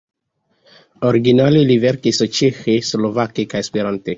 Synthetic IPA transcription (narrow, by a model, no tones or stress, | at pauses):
oɾiɡinalilivɛɾkisot͡ʃexeslovakikajspeɾant̪e